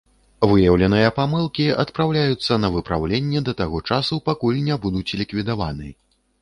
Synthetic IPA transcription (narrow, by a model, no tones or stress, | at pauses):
vɨjɐwlʲɛnɨjɐpamɨlˠkʲiɐt̪pɾawlʲajut̪sːɐnɐvɨpɾa̰wlʲenʲːɛd̪ɐt̪aɣɔt͡ʂasupakulʲnʲabud̪ut͡sʲlʲikvʲid̪ava̰nɨ